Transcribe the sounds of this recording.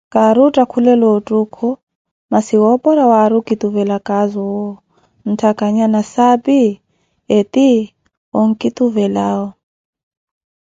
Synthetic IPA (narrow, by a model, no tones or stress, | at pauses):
kaɾutʼakʰulɛlɔtʼukʰɔ | masiwɔpɔɾawaɾukit̪uvɛlakʼazɔwɔ | n̩tʰakaɲanasapi | ɛt̪i | ɔŋ̩kʼit̪uvɛlaɔ